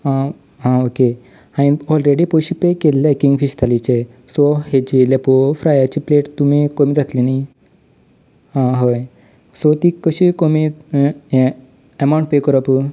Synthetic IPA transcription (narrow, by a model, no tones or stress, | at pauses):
ɦã | ɦãoke | hãj̃ɔlɾeɽipoɕipekelːakiŋɡfist̪ʰalit͡ɕe | sɔhed͡ʑilepofɾajat͡ɕipleʈt̪umikomiːd͡zat̪linai | ɦãɦəj | sɔt̪ikəɕikomi | əmaw̃ɳʈ̚pekəɾapu